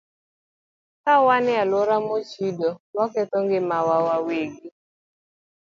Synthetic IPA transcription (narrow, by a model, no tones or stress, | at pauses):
kawanɪalɔɾamot͡ʃidɔmakɛt̪ɔŋɡɪmawawaweɡi